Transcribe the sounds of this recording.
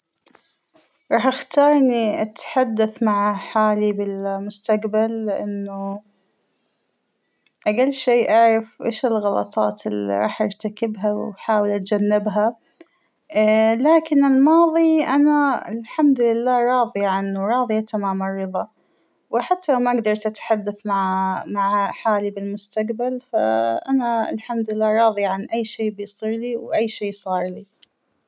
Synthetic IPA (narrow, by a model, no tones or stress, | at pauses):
ɾˤɑːħʔaxt̪ɑːɾˤniʔat̪ħad̪ːaθmaʕħaːlibɪlmʊst̪aqbalɪʔɪnːʊ | ʔaɡalːʃeːʔaʕɾˤɑfʔḛːʃɪlɣɑlɑ̰t̪ˤɑ̰ːt̪ɪlḭɾˤɑ̰ːħʔa̰ɾt̪akɪbɦawħaːwɪlʔat̪̚d͡ʒanːɪbɦa | laːkɪnɪlmɑːðˤiʔanaɪlħamd̪lɪlːaːɾˤɑːðˤiʕanːuɾˤɑːðˤjat̪amaːmɪrˤːɨðˤɑ | wɪħat̪ʰːalawmaʔɡd̪ɑɾˤt̪ʔat̪ħad̪ːaθmaʕmaʕhaħaːlibɪlmʊst̪aqbalfa̰ʔanaɪ̰lħamd̪ɪlːaːɾˤɑːðˤiʕanʔajːʃeːbɪjsˤiːɾliwʔajːʃeːsˤɑːɾˤli